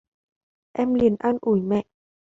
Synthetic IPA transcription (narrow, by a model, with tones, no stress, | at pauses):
ʔɛ˧mli˨˩ənʔa˧nʔu˧˩˦jmɛ̰˧˨ʔ